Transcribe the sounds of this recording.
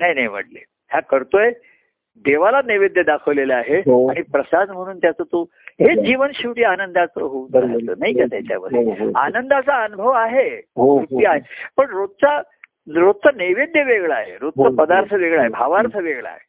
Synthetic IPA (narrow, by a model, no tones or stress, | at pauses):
naɦjnaɦjm̤ə̰ʈlḛ | hjakəɾt̪oje | d̪eʋalaneʋed̪jəd̪akʰəʋleləaɦeɦaɽ̃ipɾəsad̪m̤əɽ̃uːnt̪jat͡sət̪o | ɦed͡ʑiʋənɕiʋʈiːanənd̪at͡səɦod̪əɾa̰ə̰ːnaɦikat̪jat͡ɕja̰məd̪ʱea̰nənd̪at͡saənubʱəʋaɦeuiaɦepəɳɾod̪̚t͡sa | ɾod̪̚t̪ʰəneʋed̪jəʋeɡɭaɦḛɾod̪̚t͡sapəd̪aɾt̪ʰəʋeɡɭaɦebʱaʋaɾt̪ʰəʋeɡɭa̰ɦe